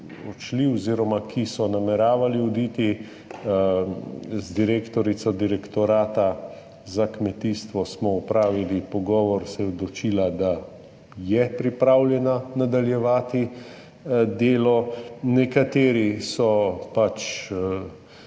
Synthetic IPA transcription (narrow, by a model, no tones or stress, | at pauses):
ɔt͡ʃliɔziːɾɔmakʰisɔnamɛɾaːʋaliud̪iːt̪i | zd̪iɾeːkt̪ɔɾit̪sɔd̪iɾɛkt̪ɔɾaːt̪a | zakmɛt̪iːst̪ʋɔsmɔɔpɾaːʋilipɔɡɔːʋɔɾsɛɔd̪lɔt͡ʃiːlad̪a | jɛpɾipɾawlʲjɛnanad̪aljɛʋaːt̪i | d̪eːlɔnɛkat̪eːɾisɔpat͡ʃ